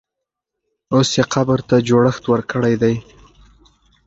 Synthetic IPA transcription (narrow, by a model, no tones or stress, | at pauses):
osjeqʰabəɾt̪ad͡ʒoɽəxt̪wəɾkəɽajd̪aj